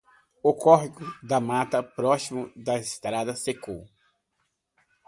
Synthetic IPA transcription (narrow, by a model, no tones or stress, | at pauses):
okɔɦkʊd̪ɐmat̪ɐpɾɔsimʊd̪ɐist̪ɾad̪ɐseko̰w